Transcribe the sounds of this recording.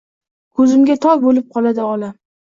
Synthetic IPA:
kʰɵzɪmɡʲat̪ʰɒɡbolɪp̚qʰɒlˠad̪ɪɒla

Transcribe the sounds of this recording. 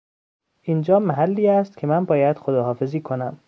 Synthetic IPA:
ʔind͡ʒɒːmæɦælːiːæst̪cʰe̞mænbɒːjæd̪̥xod̪ɒːɦɒːfe̞ziːkʰonæm

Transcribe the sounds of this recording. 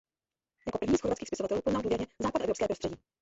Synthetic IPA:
jakopr̩vɲiːsxoɾvatt͡skiːxspɪsovat̪ɛluːpoznalduːjɛɾɲɛzaːpadʔɛvɾo̞pskɛːpɾost̪r̥ɛɟiː

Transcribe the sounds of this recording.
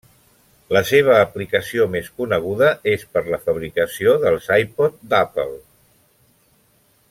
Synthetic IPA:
ləseβ̞əːplikəsiomeskunəɣ̞uðəespəɾləfəβ̞ɾikəsioðəlˠzajpɔt̪̚d̪apə̰lˠ

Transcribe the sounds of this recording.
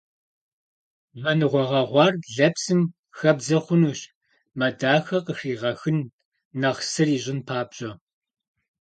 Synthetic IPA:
mɐnɨʁʷɔʁɐʁʷɑːrɮɐpsɨm | xɐbzɐχʷʊnuːɕ | mɐdaːxɐqəxiːʁɐxɨnː | ɐʁsɨriːʑɪnpʰaːbɕʼɐ

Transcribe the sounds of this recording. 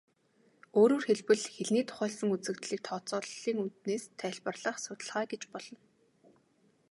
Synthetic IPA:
oːɾoːrxeɮpɘ̆ɮxeɮniːt̪ʰʊ̥χœːɮsə̆ŋut͡sɘ̆kt̪ɮiːk̚t̪ʰɔːt͡sɔːɮiːŋunt̪neːst̪ʰæːɮpə̆rɮə̆χsʊt̪ə̆ɮʁaːɡet͡ɕpɔɮ̥ɞ̆n

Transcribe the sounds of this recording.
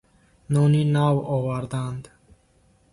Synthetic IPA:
nɔninavɔvaɾd̪and̪

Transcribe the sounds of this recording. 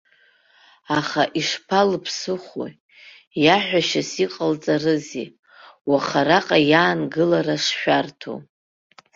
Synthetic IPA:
aχaʔiʂpʰalɨpʰsɨχo̰ | jaħʷᶣaʃasiqʼalt͡sʼarɨzḭ | waχaɾaqʼajaːnɡɨlaraʂʃᶣartʰo̰

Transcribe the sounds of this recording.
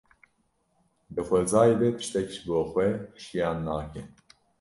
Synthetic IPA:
bɨxʷɛzaːjeːd̪ɛpɨ̥ʃt̪ɛkiʒboːxʷwɛʃijɑːnːaːkɛ

